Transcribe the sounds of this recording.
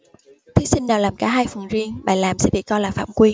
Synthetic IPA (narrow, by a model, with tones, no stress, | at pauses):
t̪ʰi˨˦sï˧ŋ̟naː˨˩laː˨˩mkaː˧˩ɦaː˧jfə˨˩ŋzi˧əŋɓa̰ː˧˨jlaː˨˩msɛ̰˧˥ɓḭ˧˨kɔ˧jlaː˨˩fa̰ː˧˩˨mkwi˧